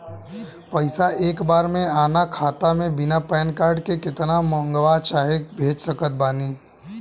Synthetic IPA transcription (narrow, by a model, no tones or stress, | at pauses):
pɐɪsaʔeːkbaːɾmẽaːnakʰaːt̪amẽbɪnapɛːnkaːɾɖkekɪt̪namɔ̃ŋɡʋat͡ʃaːɦekbʱeːd͡ʒsəkət̪̚baːniː